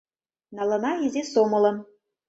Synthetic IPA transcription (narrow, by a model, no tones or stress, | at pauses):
nɑlɤ̆nɑezʲesomɤ̆lɤ̆n